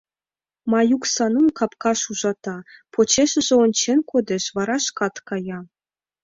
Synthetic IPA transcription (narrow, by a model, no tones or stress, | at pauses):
mɑjuksɑnumkɑpkɑʃuʒɑt̪ɑpʰot͡ɕeʃɘ̆ʒĕonʲt͡ɕenkod̪ʲĕʃʋɑɾɑʃkɑt̪kɑjɑ